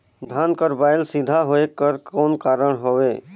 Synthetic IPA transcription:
d̪ʱaːnkəɾbaːɪlsid̪ʱaɦoekəɾkɔːnkaːɾəɽɦoweː

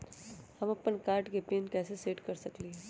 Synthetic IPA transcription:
hamapəɳkaɾʈɡʱepiənkaseseʈkəɾsəkliː

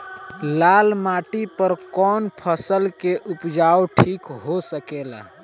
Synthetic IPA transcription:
laːlmaːʈipəɾkɔːnpʰəsəlkeʔʊpd͡ʒaːoʈʰiːkɦosəkeːla̰ː

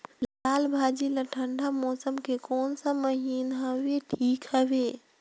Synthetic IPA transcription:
laːlbʱaːd͡ʒiləʈʰəɳɖʱamɔːsəmkekɔːnsaməɦiːnɦəweʈʰiːkɦəweː

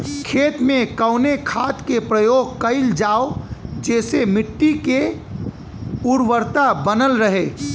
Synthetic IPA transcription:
kʰeːt̪mẽkəʊnekʰaːt̪kepɾəjoːɡ̚kəɪld͡ʒaːod͡ʒɛːsemɪʈːike | ʊɾwəɾt̪abənəlɾəɦeː

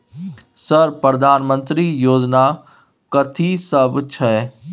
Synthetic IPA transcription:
sɐɾpɾɐd̪ʱaːnmə̃nt̪ɾijoːd͡ʒna | kɐt̪ʰisɐbt͡ʃʰɐ

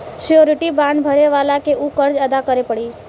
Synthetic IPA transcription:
sijoɾɪʈibãɳɖbʱəɾeʋalakeʔukəɾd͡ʒəd̪akəɾepəɽi

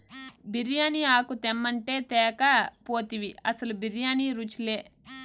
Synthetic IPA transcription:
biɾjaːniaːkut̪emːɐɳʈeːt̪ɛːkapoːt̪iʋiɐsɐlubiɾjaːniɾut͡ʃleː

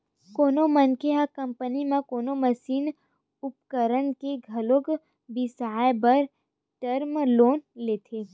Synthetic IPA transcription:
koːnomənkeɦakə̃mpənimẽkoːnoməsiːn | ʊpkəɾənkeɡʱɐloɡ | bɪsaːebɐɾ | ʈəɾmloːnleːt̪ʰeː

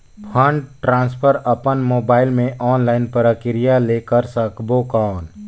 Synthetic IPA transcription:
pʰə̃ɳɖʈɾãːnspʰəɾəpənmoːbaːɪlmẽʔɔːnlaːɪnpəɾəkɪɾijaleːkəɾsəkboːkaːn

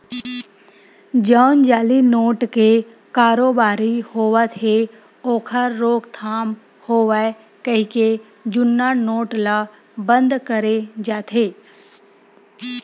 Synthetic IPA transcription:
d͡ʒawnd͡ʒaːlinoːʈke | kaːɾoːbaːɾihoːʋat̪ʰe | oːkʰaɾːoːkt̪ʰaːm | hoːʋae | kəɦike | d͡ʒʊnːanoːʈla | bə̃nd̪kəɾed͡ʒaːt̪ʰeː

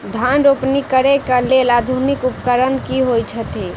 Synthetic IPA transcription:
d̪ʱanɾopnikəɾekəlelad̪ʱunikupkəɾənkiɦojt͡ʃʰət̪i

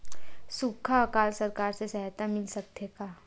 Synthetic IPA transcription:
sukʰːakaːlsəɾkaːɾsesɛɦɛt̪amɪlsək̚t̪ʰjeka

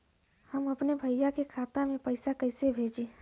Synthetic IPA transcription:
həməpnebʱəjjakekʰat̪amẽpəɪsakəɪsebʱed͡ʒe

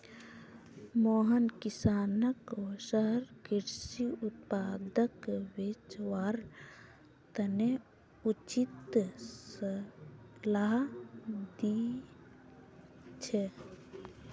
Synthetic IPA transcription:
moːɦənkisaːnəksəɦəɾkiɾsiut̪̚paːd̪əkwet͡ʃwaːɾ | t̪əne | ut͡ʃit̪sə | laɦ | d̪i | t͡ʃʰe

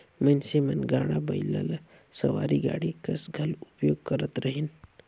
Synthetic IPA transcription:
mənsemɐnɡaːɽ̃abɐila̰l | sɐʋa̰ːɾiɡa̰ːɽikɐsɡʱɐlupjoːɡ̚kəɾət̪ɾəɦin

